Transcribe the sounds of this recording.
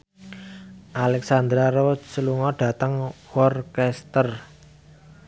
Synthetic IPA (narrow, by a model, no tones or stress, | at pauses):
ʔalɛksand̪ɾaɾot͡ʃsəluŋɔɖ̥ä̤t̪əŋwɔrkɛst̪ər